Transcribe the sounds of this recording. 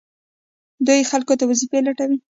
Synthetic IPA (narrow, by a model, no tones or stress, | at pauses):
d̪ujxalkot̪awazipelaʈawi